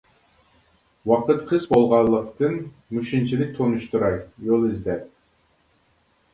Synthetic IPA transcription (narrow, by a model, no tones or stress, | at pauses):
wɑqʰət̪qʰɨzbolˠʁɑlˠːəq̚t̪ɨn | muʃint͡ʃʰilɪk̚ʲt̪ʰonuʃt̪uɾɑjjolˠizd̪ɛp̚